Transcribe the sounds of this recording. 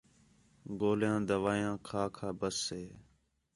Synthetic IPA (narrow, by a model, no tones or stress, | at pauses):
ɡoːljãːd̪əʋaːjãːkʰaːkʰaːbəsːeː